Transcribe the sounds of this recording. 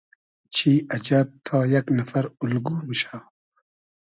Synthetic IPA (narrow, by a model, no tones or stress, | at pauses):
t͡ɕʰiːɐd͡ʒab̚t̪ʰɑːjaknɐfɐɾulɡuːmɨʃaː